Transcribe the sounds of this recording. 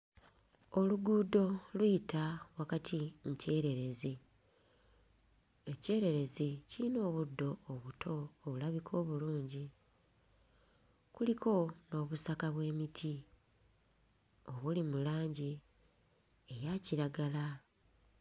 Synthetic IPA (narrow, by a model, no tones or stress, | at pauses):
o̞luɡuːdo̞lwiitʰawakatʰimuce̞ːɾe̞ɾe̞zi | e̞ce̞ːɾe̞ɾe̞zicino̞ːβudːo̞ːβutʰo̞ːβulaβikʰo̞ːβuluːɲɟi | kulikʰo̞no̞ːβusakaβwe̞ːmitʰi | o̞βulimulaːɲɟi | ejaciɾaɡala